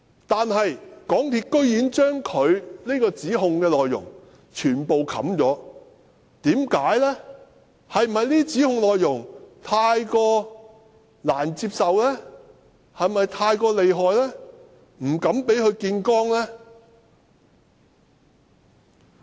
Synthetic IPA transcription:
t̪aː˨nɦɐ˨jkɔː˨˥ŋt̪ʰiː˧˥t̚kɵ˥ɥjiː˨˥nt͡ʃœː˥ŋkʰɵ˨˧ɥliː˥kɔː˧t͡siː˨˥ɦʊ˧ŋkɛː˧lɔː˨jːʊ̰˨˩ŋ | t͡ʃʰyː˨˩npo˨wkʰɐ̰˨˥mt͡ʃɔː˨˥ | t̪iː˨˥mkaː˨˥jlɛː˥ | hɐ˨jm̩˨˩ɐ˨jliː˥t͡siː˨˥hʊ˨˧ŋlɔː˨jːʊ˨˩ŋt̪ʰaː˧jkɔː˧ | laː˨˩nt͡siː˧p̚sɐ˨wlɛː˥ | hɐ˨jmɐ˨jt̪ʰaː˧jkɔː˧le˨jɦɔː˨jlɛː˥ | m̩˨˩kɐ˨˥mpe˨˥jhɵ˨˧ɥkiː˧nkɔː˥ŋlɛː˥

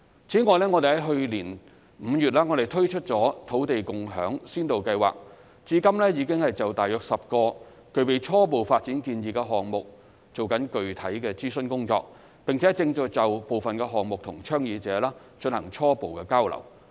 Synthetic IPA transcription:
t͡sʰiː˨˥ŋɔː˨˧jlɛː˥ŋɔː˧t̪e˨hɦɐ˨˥jɦɵ˧liː˨˩n | m̩˨˧jyː˨t̚laː˥ŋɔː˨˧ɾe˨jt̪ʰɵ˥ɥt͡ʃʰɵ˥t̚t͡sɔː˨˥t̪ʰo˨˥wt̪e˨jkʊ˨ŋɦœ̰ː˨˥ŋsiː˥nt̪o˨wkɐ˧jwa̰ː˨k̚ | t͡siː˨˥kɐ˥mlɛː˥jiː˨˧kɪ˥ŋhɐ˨˩jt͡sɐ˨wt̪aː˨jœː˧k̚sɐ˨p̚kɔː˧ | kɵ˨ɥpe˨jt͡sʰɔː˥p̬o˨wfaː˧t̚t͡siː˨˥nkiː˧njiː˨kɛː˧ɦɔː˨ŋmʊ˨k̚ | t͡so˨wkɐ˨˥nkɵ˨ɥt̪ʰɐ˨˥jkɛː˧t͡siː˥sɵ˥nkʊ˥ŋt͡sɔ̰ː˧k̚ | pɪ˨ŋt͡sʰɛː˨˥t͡sɪ˧ŋt͡sɔː˨˧t͡sɐ˨wpo˨wfɐ˨nkɛː˧ɦɔː˨ŋmʊ˨k̚t̪ʰʊ˨˩ŋt͡ʃʰœː˥ŋjiː˨˧t͡sɛː˨˥laː˥ | t͡ʃɵ˧nhɐ˨˩ŋt͡ʃʰɔː˥po˨wkɛː˧kaː˥wlɐ̰˨˩w

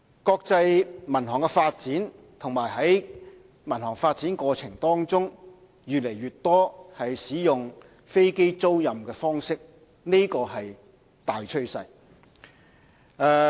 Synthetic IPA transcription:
kɔː˧k̚t͡sɐ˧jmɐ˨˩nɦɔː˨˩ŋkɛ˧faː˧t̚t͡siː˨˥n | t̪ʰʊ˨˩ŋmaː˨˩jɦɐ˨˥j | mɐ˨˩nhɔː˨˩ŋfaː˧t̚t͡siː˨˥nkɔː˧t͡sʰɪ˨˩ŋt̪ɔː˥ŋt͡sʊ˥ŋ | jyː˨t̚le˨˩jɥyː˨t̚t̪ɔː˥hɐ˨jsiː˨˥jʊ˨ŋ | fe˥jke˥jt͡so˥wjɐ˨mkɛː˧fɔː˥ŋsɪ˥k̚ | ne˥jkɔː˧ɦɐ˨j | t̪aː˨jt͡ʃʰɵ˥ɥsɐ˧j | ɛː˧

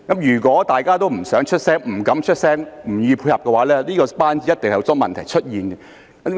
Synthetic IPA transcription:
kɐ˨˥mjyː˨˩kʷɔː˨˥t̪aː˨jkaː˥t̪o˥wm̩˨˩sœː˨˥ŋt͡ʃʰɵ˥t̚sɛː˥ŋm̩˨˩kɐ˨˥mt͡ʃʰɵ˥t̚sɛː˥ŋm̩˨˩jiː˨˧pʰuː˧jhɐ˨pkɛ˧waː˨˥lɛː˥liː˥kɔː˧paː˥nt͡siː˨˦˥jɐ˥t̪e˨ŋhjt͡sɔː˥ŋmɐ̰˨nt̪ʰɐ˨˩jt͡ʃʰɵ˥t̚jiː˨nɡɛ˧˦

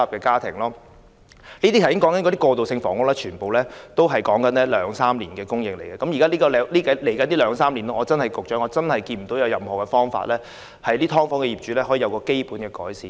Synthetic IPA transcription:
ɐ˨pkɛː˧kaː˥t̪ʰɪ̰˨˩ŋlɔː˥ | niː˥t̪iː˥t̪ʰɐ˨˩jɪ˨˥kɔ˨˥ŋkɐ˨nkɔ˨˧˥iː˥kɔː˧t̪o˨wsɪ˧ŋfɔː˨˥ŋʊ˥k̚lɛː˥t͡ʃʰyː˨˩npo˨wlɛː˥t̪o˥wɦɐ˨jkɔː˨˥ŋkɐ˨˥nlɛ˥lœː˨˧ŋsaː˥mliː˨˩nkɛː˧kʊ˥ŋjɪ˨k̚le˨˩jkɛː˧kɐ˨˥mjiː˨˩kaː˥liː˥kɔ˨˧lɛ˨˧liː˥kɐ˨˥le˨˩jkɐ˨˦nt̪iː˥lœː˨˧ŋsaː˥mliː˨˩nlɔː˥ŋɔː˨˧t͡sɐ˥nhɐ˨jkʊ˨k̚t͡ʃœː˨˥ŋɔ˨˧t͡sɐ˥nhɐ˨jkiː˧nm̩˨˩t̪o˨˥wjɐ˨˧wjɐ˨mhɔː˨˩kɛ˧fɔː˥ŋfa̰ː˧t̚lɛː˥ | hɐ˨jliː˥t̪ʰɔː˥ŋfɔː˥ŋkɛː˧jiː˨p̚t͡ʃy˨˧lɛː˥hɔː˨˥jiː˨˩ɐ˨˧wkɔː˧ke˥jpuː˨˥nkɛː˧kɔ̰ː˨˥jsiː˨

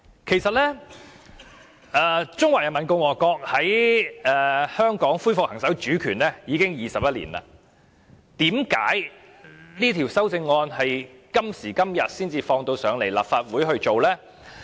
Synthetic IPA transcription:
kʰe˨˩jsɐ˨t̚lɛː˥ | ɛː˨˧t͡sʊ˥ŋwaː˨˩jɐ˨˩nmɐ˨˩nkʊ˧ŋwɔː˨˩kɔː˧k̚hɐ˨˥jɛː˨˧hœː˥ŋkɔː˨˥ŋfu˥jfʊ˨k̚hɐ˨˩ŋsɐ˨˥wt͡ʃyː˨˥kʰyː˨˩nlɛː˥jiː˨˧kɪ˥ŋjiː˨sɐ˨p̚jɐ˥t̚lḭː˨˩nla̰ː˨ | t̪iː˨˥mka̰ː˨˥j | liː˥t̪ʰi˨˩wsɐ˥wt͡sɪ˧ŋːɔː˧nhɐ˨jkɐ˥msiː˨˩kɐ˥mjɐ˨t̚siː˥nt͡siː˧fɔː˧ŋt̪o˧wsœː˨˧ŋle˨˩jla̰ː˨pfaː˧t̚wuː˨˥jɦɵ˧ɥt͡ʃo˨wlɛː˥

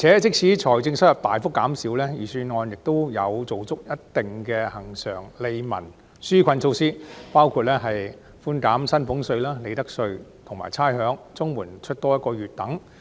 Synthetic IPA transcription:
i˨t͡sʰɛː˨˥t͡sɪ˥k̚t͡sʰiː˨˥t͡sʰɔː˨˩jt͡sɪ˧ŋsɐ˥t̚jɐ˨˩p̚t̪aː˨jfʊ˥kːaː˨˥msiː˨˥wlɛː˥jiː˨˩syː˧nŋɔː˨˧njɪ˨k̚t̪o˥wjɐ˨˧wt͡so˨wt͡sʊ˥k̚jɐ˥t̚t̪ɪ˨ŋkɛ˧hɐ˨˩ŋsœː˨˩ŋle˨˧jmɐ̰˨˩n | syː˥kʰɐ˧nt͡sʰo˧wsiː˥paː˥wkʰuː˨˧t̚lɛː˥ɦɐ˨j | fuː˥nkaː˨˥msɐ˥npʊ˨˥ŋsɵ˧ɥlaː˥le˨˧jt̪ɐ˥k̚sɵ˧ɥt̪ʰʊ˨˩ŋma̰ː˨˩jt͡sʰaː˥jɦœː˨˥ŋt͡sʊ˥ŋwuː˨˩nt͡ʃʰɵ˥t̚t̪ɔː˥jɐ˥kɔː˧jyː˨t̚t̪ɐ˨˥ŋ

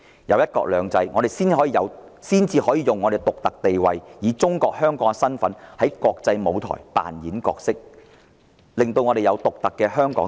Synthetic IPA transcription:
jɐ˨˧wjɐ˥t̚kɔ̰ː˧k̚lœː˨˧ŋt͡sɐ˧jŋɔː˨˧ɾe˨˩jsiː˥nɦɔː˨˥jiː˨˧jɐ˨˧wsiː˥nt͡siː˧ɦɔː˨˥jiː˨˧jʊ˨ŋːɔː˨˧e˨˩t̪ʊ˨k̚t̪ɐ˨k̚t̪e˨jwɐ̰˨jjiː˨˧˥t͡sʊ˥ŋkɔː˧k̚hœː˥ŋkɔː˨˥ŋsɐ˥nfɐ˨˥nhɐ˨˥jkɔː˧k̚t͡sɐ˧jmo˨˧wt̪ʰɔ̰ː˨˩jpa̰ː˨njiː˨˥nkɔ̰ː˧k̚sɪ˥k̚ | lɪ˨˩ŋt̪o˧wŋɔ˨˧ɾe˨jɐ˨˧wt̪ʊ˨k̚t̪ɐ˨kːɛː˧ɦœː˥ŋkɔː˨˥

